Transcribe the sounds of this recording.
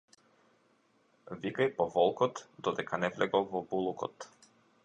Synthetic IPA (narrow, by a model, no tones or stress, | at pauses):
vikajpɔvɔlˠkɔt̪d̪ɔd̪ɛkʰanɛvlɛɡɔlˠvɔbulˠukɔ̰t̪